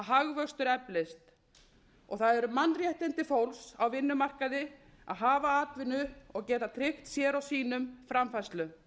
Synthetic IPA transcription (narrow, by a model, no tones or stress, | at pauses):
ɦaɣvœ̥st̪ʏɾɛplest̪ | ɔɣθaðɛɾʏmanːrjɛht̪ɪnt̪ɪfowlsawvɪnːʏmar̥kaðɪ | a̰ðɦaːvaaːt̪vɪnʏɔɣcɛːt̪at̪ʰɾɪxt̪sjɛːɾawsiːnʏmfɾamfajst̪lʏ